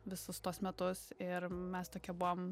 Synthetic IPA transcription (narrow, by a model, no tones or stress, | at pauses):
ʋʲɪsʊst̪uɔsmʲɛt̪ʊsɪɾmʲɛst̪oːkʲɛbʊʋom